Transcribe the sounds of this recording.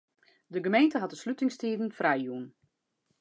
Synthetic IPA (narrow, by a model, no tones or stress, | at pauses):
dəɡəmejntəɦɑt̚dəslytɪŋstiːdən̩frajjuən